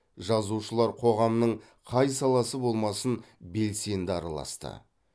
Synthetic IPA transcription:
ʒɑzuʃəlˠɑɾqʰo̞ʁɑmnəɴ | qʰɑjsɑlˠɑsəbo̞lˠmɑsən | be̞lse̞nd̪ɪɑɾɑlˠɑ̰st̪ə̰

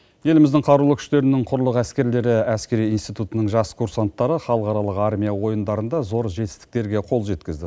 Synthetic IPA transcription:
je̞lɪmɪzd̪ɪŋqʰɑɾulˠəkʰʏ̥ʃt̪e̞ɾɪnɪŋqʰʊɾlˠəqæskʲe̞ɾle̞ɾɪæskʲe̞ɾijinst̪ijt̪ut̪ənəɴʒɑskʰuɾsant̪ːɑɾəχɑlˠəqɑɾɑlˠəqɑɾmʲijawo̞jənd̪ɑɾənd̪ɑzo̞ɾʒe̞t̪ɪ̥st̪ɪ̥k̚t̪e̞ɾɡʲe̞qʰo̞lˠʒe̞t̪kʲɪzd̪ɪ

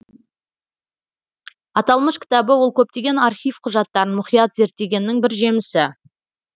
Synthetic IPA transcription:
ɑt̪ɑlˠməʃkʲʰɪ̥t̪ɑbəwo̞lˠkʲʰɵp̚t̪e̞ɡʲe̞nɑɾχʲijfqʰʊʒɑt̪ːɑɾənmʊχijɑt̪ze̞ɾt̪ːe̞ɡʲe̞nːɪŋbɪɾʒe̞mɪsɪ

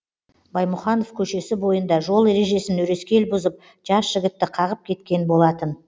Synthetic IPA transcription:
bɑjmʊχɑno̞fkʲʰɵʃe̞sɪbo̞jənd̪ɑʒo̞lˠe̞ɾe̞ʒe̞sɪnɵɾe̞skʲe̞lbʊzəp̚ | ʒ̥ɑsʒ̥ɪɡʲɪt̪ːɪqʰɑʁəp̚kʲʰe̞t̪kʲe̞nbo̞lˠɑt̪ən

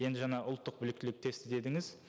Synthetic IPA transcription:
je̞nd̪ɪʒɑɴɑʔʊlˠt̪ːəq̚bʏlɪk̚t̪ɪlɪk̚t̪ʰe̞st̪ɪd̪e̞d̪ɪŋɪz

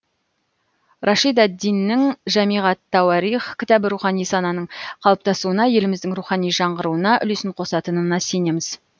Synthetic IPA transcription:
rʔɑʃijd̪æd̪ːijnːɪŋʒæmijʁɑt̪ʰːɑwɑɾiχkʲʰɪt̪ɑbɪɾuχɑnijsɑnɑnəɴqʰɑlˠəp̚t̪ɑsuənɑje̞lɪmɪzd̪ɪŋɾuχɑnijʒɑɴʁəɾuənɑʔʏ̰le̞sɪɴqʰo̞sɑt̪ənənɑse̞ne̞mɪz̥

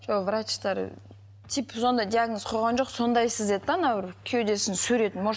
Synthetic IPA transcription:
ʒovrat͡ʃt̪ɑɾ̰ | t̪ʰipso̞nd̪ɑjd̪ʲijaɡnosqʰojʁɑnʒo̞qso̞nd̪ɑjsəzd̪et̪ːɑnɑbɪɾkʲʰijod̪esɪnsɵɾe̞t̪ɪnmo

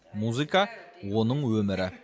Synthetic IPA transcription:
muzɨkawo̞nəɴwɵmɪɾɪ

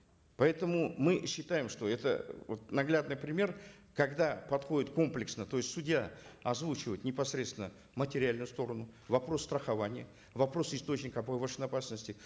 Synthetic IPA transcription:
pɐɛt̪əmʊmɨɕːɪt̪ajɪmʂt̪o̞ɛt̪ə̰vot̪nɐɡlʲad̪nɨjpɾʲɪmʲe̞rkɐɡd̪apɐt̪xo̞dʲɪt̪ko̞mplʲɪksnət̪o̞jɪstʲsʊdʲjaɐzvut͡ɕɪvəjt̪nʲɪpɐsɾʲet̪st̪ʲɪnə | mətʲɪɾʲɪalʲnʊjʊst̪o̞ɾənʊvɐpɾo̞st̪ɾəxɐvanʲɪjə | vɐpɾo̞sɪst̪o̞t͡ɕnʲɪkəɐpəvəʂɨnɐpasnəsʲtʲɪ

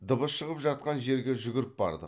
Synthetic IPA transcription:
d̪əbəsʃəʁəpʒɑt̪̚qɑnʒe̞ɾɡʲe̞ʒʏɡʲɪɾɪp̚bɑ̰ɾd̪ə̰q

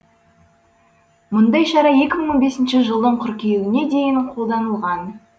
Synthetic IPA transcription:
mʊnd̪ɑjʃɑɾɑje̞kʲɪməɴwo̞nbe̞sɪnʃɪʒəlˠd̪əɴqʰʏɾkʲejwɪne̞d̪e̞jɪɴqʰo̞lˠd̪ɑnəlˠʁɑn

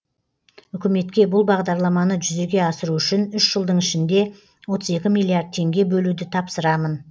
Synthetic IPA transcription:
ʏkʲɪme̞t̪kʲe̞bʊlˠbɑʁd̪ɑɾlˠɑmɑnəʒʏze̞ɡʲe̞ɑsəɾuʏʃɪnʏʃʒ̥əlˠd̪əɴɪʃɪnd̪e̞ | wo̞t̪ʰəze̞kʲɪmijlˠiard̪̚t̪ʰe̞ŋɡʲe̞bɵlud̪ɪt̪ʰɑpsəɾɑmən

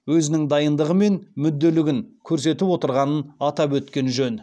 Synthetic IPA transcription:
wɵzɪnɪŋd̪ɑjənd̪əʁəme̞nmʏd̪ːe̞lɪɡʲɪŋkʲʰɵɾse̞t̪ɪpwo̞t̪əɾʁɑnənɑt̪ɑpwɵt̪kʲe̞nʒɵn

